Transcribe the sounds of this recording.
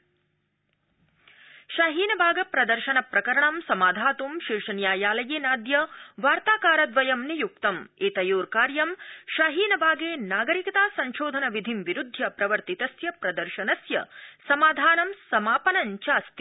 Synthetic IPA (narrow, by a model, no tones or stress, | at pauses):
ʃaːɦiːnɐbʱaːɡɐpɾɐd̪ɐɾʃɐnɐpɾɐkɐɾɐɳɐmsɐmaːd̪ʱaːt̪umʃiɾʂɐnjaːjaːlɐjeːnaːd̪jɐʋaːɾt̪aːkaːɾɐd̪ʋɐjɐmnijuk̚t̪ɐmeːt̪ɐjuːɾkaːɾjɐmʃaːɦiːnɐbʱaːɡeːnaːɡɐɾikɐt̪aːsɐɲʃoːd̪ʱɐnɐʋid̪ʱimʋiɾud̪ʱjɐpɾɐʋɐɾt̪it̪ɐsjɐpɾɐd̪ɐɾʃɐnɐsjɐsɐmaːd̪ʱaːnɐmsɐmaːpɐnɐɲt͡ʃaːst̪i